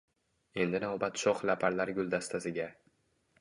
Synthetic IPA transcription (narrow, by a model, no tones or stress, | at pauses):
e̞nd̪ɪnavbat̪ʃɒχlapʰaɾlaɾɡʲʊlˠd̪ast̪ʰasɪɡʲa